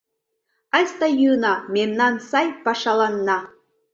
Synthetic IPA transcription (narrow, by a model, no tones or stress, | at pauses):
ɑsʲt̪ɑjɯnɑmʲemnɑnsɑjpɑʃɑlˠɑnːɑ